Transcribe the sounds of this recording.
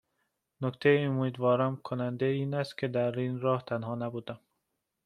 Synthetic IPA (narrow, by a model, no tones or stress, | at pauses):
nokt̪ʰejeumiːd̪vɒːɾɒːnkʰonænd̪eiːnæst̪̚kʲʰed̪æɾinɾɒːht̪ʰænɦɒːnæbuːd̪æm